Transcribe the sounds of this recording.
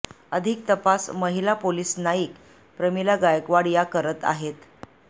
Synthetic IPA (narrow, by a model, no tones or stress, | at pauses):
əd̪ʱik̚t̪əpasməɦilapoliːsnaiːk | pɾəmilaɡajəkʋaɽjakəɾət̪a̰ɦet̪